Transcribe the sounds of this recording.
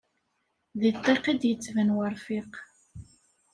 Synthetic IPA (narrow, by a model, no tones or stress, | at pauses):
ðit̪ˤːeqid̪jət͡sːvənwəɾfiq